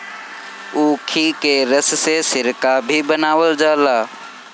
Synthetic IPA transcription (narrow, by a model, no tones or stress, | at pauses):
uːkʰiːkeɾəssesɪɾkabʱibənaːʋəld͡ʒaːlaː